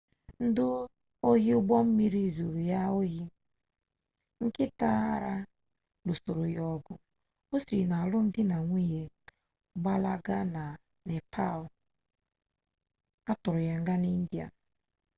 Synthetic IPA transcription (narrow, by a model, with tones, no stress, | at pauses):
n̩˦dʊ˦ | o˦ɦi˦ʊ˦ɡ͡bɔ˦m̩˦mi˦ɾi˦˨zo˨ɾu˨ja˦o˦ɦi˦ | ŋ̩˦kɪ˦ta˦a˦ɾa˦ | do˨so˨ɾo˨jɔ˦˨ɡʊ˨ | o˦si˨na˨lʊ˦n̩˦dɪ˦na˨ŋʷi˦je˨ | ɡ͡ba˦la˦ɡa˦na˨ | ne˨pʰa˦˨ | a˦tʊ˨ɾʊ˨ja˨ŋ̩˦ɡa˦ni˦n̩˦dja̰˨